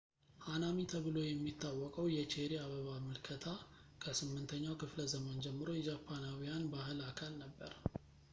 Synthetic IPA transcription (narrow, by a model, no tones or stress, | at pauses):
hanamit̪ʰəβɨlo̞jɛmːit̪ːawːɔkʼəwjɛt͡ʃʰeɾiaβəβamɨlkʰət̪ʰa | kʰəsɨmːɨnt̪ʰəɲːawkʰɨfləzəmənd͡ʒɛmːɨɾo̞jɛd͡ʒapʰːanawijanbahɨlakʰalnəbːəɾ